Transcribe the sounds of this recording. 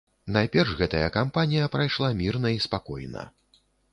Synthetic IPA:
najpʲɛrʐɣɛt̪ɐjɐ̰kampanʲijɐpɾajʂlˠamʲirnɐispakɔ̰jnɐ̰

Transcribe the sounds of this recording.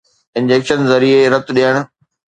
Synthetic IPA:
ɪ̃nd͡ʑeːkʃənzɐɾieɾɐt̪ɗiəɽ̃̆

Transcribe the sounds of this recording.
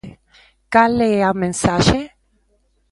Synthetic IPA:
kaleamẽnsaʃe

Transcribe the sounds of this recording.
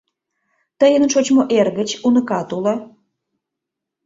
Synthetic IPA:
t̪əjənʃot͡ɕmoʔerɣət͡ɕunəkɑt̪ulɑ

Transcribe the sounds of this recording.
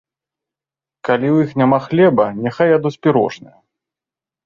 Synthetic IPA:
kalʲiwjixnʲamaxlʲɛbɐnʲaxajɐd̪ɔsʲpʲiɾɔ̰ʐnɐ̰jɐ

